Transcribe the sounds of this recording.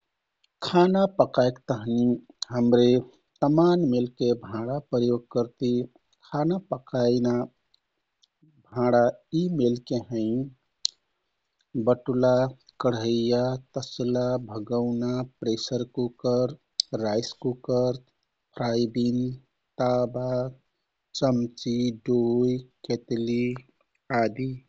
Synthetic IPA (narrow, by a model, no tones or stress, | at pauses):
kʰanapəkaekt̪əɦni | ɦəmɾe | t̪əmanmelkebʱãɽapɾəjoɡ̚kəɾt̪i | kʰanapəkajna | bʱãɽaimelkeɦə̃ɪ̃ | bəʈulakəɽ̤ɦəjjat̪əslabʱəɡəʊnapɾesəɾkukəɾ | ɾajskukəɾ | pʰɾajbin | t̪aba | t͡ʃəmt͡ʃiɖojket̪li | ad̪i